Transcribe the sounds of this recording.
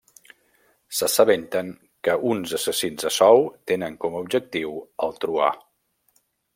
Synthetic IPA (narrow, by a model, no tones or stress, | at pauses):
səsəβent̪əŋ | kəʔunzəsəsinzəsɔwt̪enəŋkɔməub̚d͡ʒək̚t̪iwəlˠt̪ɾua̰